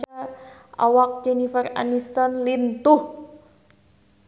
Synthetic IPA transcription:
aʔa̰wak̚d͡ʒɛnifəra̰nist̪ɔnlint̪ʊh

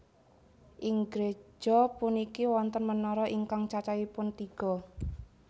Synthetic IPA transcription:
ʔiŋɡɾe̥d͡ʒ̥ɔ̤punikiwɔnt̪ənmənɔɾɔʔiŋkaŋt͡ʃat͡ʃaipʊnt̪iɡ̥ɔ̤

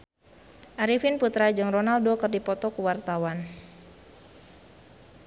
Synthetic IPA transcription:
ʔaɾifinput̪ɾad͡ʒɨŋrɔnaldɔkərdipɔt̪ɔkuwart̪awan

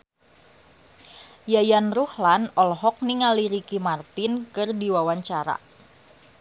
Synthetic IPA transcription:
jajanruhlanɔlɦɔk̚niŋaliɾikimart̪ɪnkɨrdiwawaɲt͡ʃaɾa̰

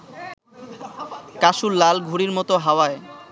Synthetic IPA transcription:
kaʃulːalɡʱuɾiɾmɔt̪oɦaoae

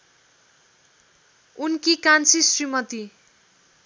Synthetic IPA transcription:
unkikansisrimʌt̪i

